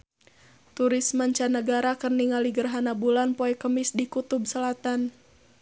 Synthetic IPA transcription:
t̪uɾismaɲt͡ʃanəɡaɾakərniŋaliɡərɦanabulanpoɛkəmisdikut̪ub̚səlat̪an

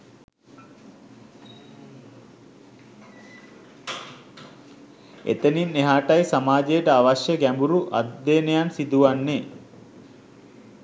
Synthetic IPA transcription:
ḛt̪əninːeɦaːʈajsamaːd͡ʒejəʈəaʋaɕjəɡæmbuɾuʔa̰d̪ːenejansid̪uʋanːe

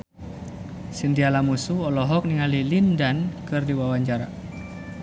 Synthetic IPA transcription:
sint̪ialamusuɔlɔɦɔk̚niŋalilindankɨrdiwawaɲt͡ʃaɾa

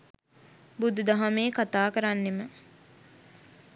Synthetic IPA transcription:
bud̪ud̪aɦameːkat̪aːkəɾanːemə

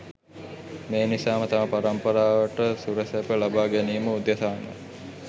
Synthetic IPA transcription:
meːnisaːmət̪amapaɾɐmpəɾaːʋəʈəsuɾəsepəlabaːɡæniːməud̪jɐsaːnə̰

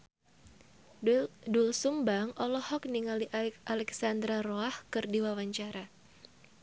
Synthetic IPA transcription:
dulsumbaŋʔɔlɔhɔk̚niŋaliʔalɛksand̪ɾaroahkɨrdiwawaɲt͡ʃaɾa

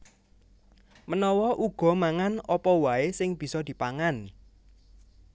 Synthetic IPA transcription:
mənɔwɔʔuɡ̥ɔ̤maŋanɔpɔwaesɪŋb̥i̤sɔd̪̥i̤paŋan

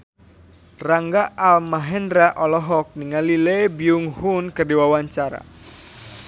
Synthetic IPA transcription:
raŋɡaalmaɦɛnɾaʔɔlɔɦɔk̚niŋalilɛbiuŋhunkərdiwawaɲt͡ʃaɾa̰

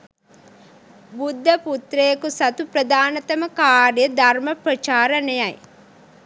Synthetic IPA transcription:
bud̪ʱːɐput̪ɾejkusɐt̪upɾɐd̪aːnɐt̪ɐmɐkaːɾjɐd̪ʱɐɾmɐpɾɐt͡ʃaːɾɐnejaj

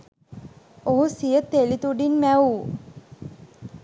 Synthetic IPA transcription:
oɦusijət̪ːelit̪uɖinmæu

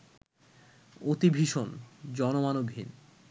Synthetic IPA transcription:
ot̪ibʱiʃond͡ʑɔnomanobʱḭn

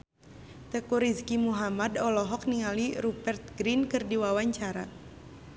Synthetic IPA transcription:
t̪əkuɾiskimuɦamadɔlɔɦɔk̚niŋaliɾubɛrt̪̚ɡɾinkɨrdiwawaɲt͡ʃaɾa̰

